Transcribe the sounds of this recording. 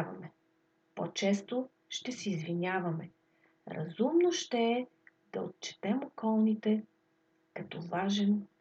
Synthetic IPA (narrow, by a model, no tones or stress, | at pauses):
vɐ̰mɛ | po̰t͡ʃɛst̪o | ʃt̪ɛsɛizvinʲjavɐmɛ̰ | ɾɐ̰zumnoʃt̪ɛː | d̪ɐ̰o̰t̪̚t͡ʃɛ̥t̪ɛmokɔlˠnit̪ɛ | kɐt̪ɔvaʒɛn